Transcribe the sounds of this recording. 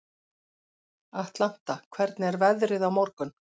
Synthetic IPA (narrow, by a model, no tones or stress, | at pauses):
aht̪lan̥t̪akʰvɛɾt̪nɪɛɾvɛðɾɪðawmɔɾkʏn